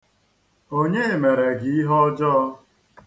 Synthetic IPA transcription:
o˦ɲe˦e˨me˨ɾe˨ɡi˨i˦ɦɔ˦d͡ʒɔ˦ɔ˦˧

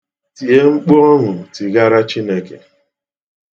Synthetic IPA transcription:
ti˨e˦ŋ͡m̩˦k͡po˦ɔ˦ŋʷʊ˨ti˨ɡa˦ɾa˦t͡ʃi˦ne˦kḛ˨

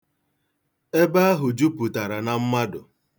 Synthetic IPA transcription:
e˦ba˦a˦ɦʊ˨d͡ʒu˦pu˨ta˨ɾa˨na˨m̩˦ma˦dʊ˨

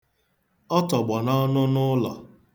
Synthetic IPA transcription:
ɔ˦tɔ˨ɡ͡bɔ˨nɔ˦nʊ˦nʊ˦lɔ̰˨

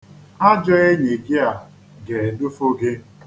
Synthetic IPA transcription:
a˦d͡ʒɔ˦e˦ɲe˨ɡɪ˦a˨ | ɡe˨dʊ˦fo˦ɡe˦

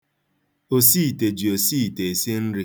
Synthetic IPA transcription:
o˨siː˦˨te˨d͡ʒi˨o˨si˦˨te˨e˨se˦n̩˦ɾi˦

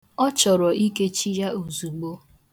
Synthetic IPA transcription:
ɔ˦t͡ʃɔ˨ɾɔ˨i˦ke˦t͡ʃi˦ja˦o˨zu˨ɡ͡bo˦

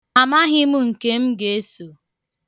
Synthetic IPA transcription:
a˨ma˦ɦɪ˦mʊ˦ŋ̩˨ke˦m̩˦ɡe˨e˦so˨

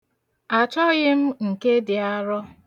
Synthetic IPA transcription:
a˨t͡ʃɔ˦ɣɪ˦m̩˦ŋ̩˨ke˦dɪ˨a˦ɾɔ˦

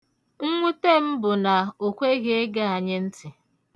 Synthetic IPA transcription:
ŋ̩˦ŋʷu˦te˦m̩˦bʊ˨na˨o˨kʷe˦ɣe˦ɡa˦a˨ɲɪ˦n̩˦tɪ˨

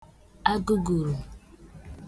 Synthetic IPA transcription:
a˦ɡu˦ɡu˨ɾu˨

